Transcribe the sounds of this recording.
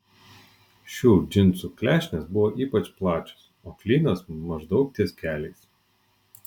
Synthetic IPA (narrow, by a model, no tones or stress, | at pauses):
ʃʲuːd͡ʒʲɪnt̪suklʲæːʃʲnʲesbʊʋoːʔiːpɐt͡ʃplˠɑːt͡ʃʲo̥s | oːklʲiːnɐsmɐʒd̪ɒʊk̚t̪ʲiɛskʲæːlʲɛɪs